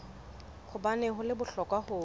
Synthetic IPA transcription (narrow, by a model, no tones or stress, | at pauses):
χʊbanɛɦʊlɪbʊɬɔkʼwahʊː